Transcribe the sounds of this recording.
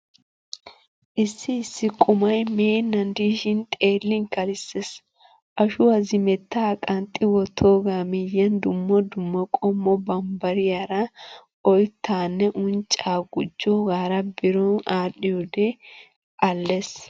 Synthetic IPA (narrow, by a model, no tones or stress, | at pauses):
ʔɪsːɪːsːɪkʼʊmɐjmeːnːɐnd̪iːʃɪnt̪ʼe̞ːlːɪŋkɐlɪsːes | ʔɐʃʊwɐzɪmɛt̪ːaːkʼɐnt̪ʼːɪwɔt̪ʰːoːɡaːmɪjɐnd̪ʊmːɔd̪ʊmːɐkʼɔmːɔbɐmbɐɾɪjaɾɐ | ɔjt̪ːaːnːɛʔʊnt͡ʃʼaːɡʊd͡ʒːɔɡaːɾɐbɪɾɔnaːɗɪjɔd̪ɛ | ʔɐlːes